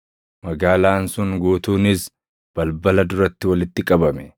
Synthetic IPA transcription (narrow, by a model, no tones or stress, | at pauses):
mɐɡaːlaːnsʊŋɡoːt̪uːnɪs | b̥ɐlbɐlɐd̪ʊɾɐt̪ːɪwɐlɪt̪ːɪkʼɐbɐmɛ̥